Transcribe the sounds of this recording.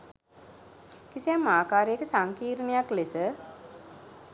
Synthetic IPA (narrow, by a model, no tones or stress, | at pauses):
kisijamːaːkaːɾejəkəsaŋkiːɾunejaklesə